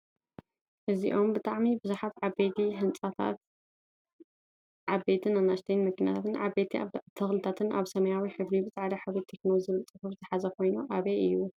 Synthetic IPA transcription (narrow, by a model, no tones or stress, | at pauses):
ʔɨziʔo̞mbɨt̪ʼaʕmibɨzuħat̪ʕabet̪ʰiɦɨnt͡sʼat̪ʰa̰t̪ | ʕabet̪ʰɨnanast̪ʰɐnmɨknija̰t̪ʰat̪ʰɨnʕabet̪ʰt̪ʰɐxlɨt̪ʰat̪ʰɨnʔa̰βsɐmɐjawiħɨβlibɨzʼʕalɐħaβet̪ʰːeknozɨβɨlt͡s̪ʼɨfubɨzɨħazɐkʰo̞jnuʔaβeɨjːu